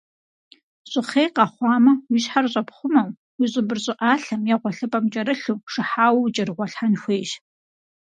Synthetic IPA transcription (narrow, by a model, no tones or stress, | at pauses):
ɕʼɪχeːjqɑχʷɑːmɐwiɕħarɕʼɐpχʷʊmɐw | wiɕʼɪbɨrɕʼɪʔaːɬɐmjɛʁʷɔɬɨpʼɐmt͡ʃʼɐɾɨɬuːʂɨħaːwɐwt͡ʃʼɐrɨʁʷɔɬħanxʷeːjʒ